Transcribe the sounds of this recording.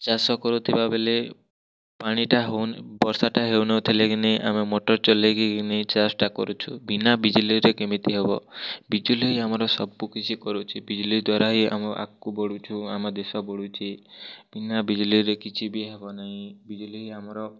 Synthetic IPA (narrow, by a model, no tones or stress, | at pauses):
t͡ʃasɔkɔɾut̪ʰibabele | paɽ̃iʈaɦewbɔɾsaʈaɦewnɔwt̪ʰileɡineʔa̰memoʈɔɾt͡ʃɔleɡiɡinet͡ʃaɾsʈakɔ̰ɾut͡ʃʰubinabid͡ʒuliɾekemit̪iɦebɔbid͡ʒuliɦiamɔɾɔsɔbukit͡ʃʰikɔɾut͡ʃʰibid͡ʒulid̪waɾaɦia̰mɔʔa̰kːubɔɽut͡ʃʰuamad̪esɔbɔɽut͡ʃʰib̥inabid͡ʒuliɾekit͡ʃʰibiɦebɔnaɦĩbid͡ʒuliɦiamɔɾɔ